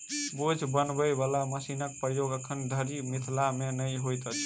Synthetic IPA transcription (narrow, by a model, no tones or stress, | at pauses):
bod͡ʒʱbənbəjbalaməsinək̚pɾəjoɡəkʰənd̪ʱəɾimit̪ʰlamenəjɦojt̪ət͡ʃʰ